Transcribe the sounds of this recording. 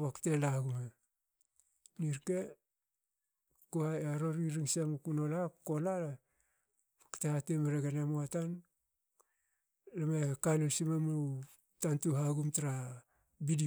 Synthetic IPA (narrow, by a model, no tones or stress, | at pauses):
βaktelaɡuma | niɾke | kuaeaɾo̞ɾiɾiŋsiamakunolako̞lala | baktehatemeɾeɡenemoatan | lamekanosimamu | tantuɦaɡumtaɾa | bidi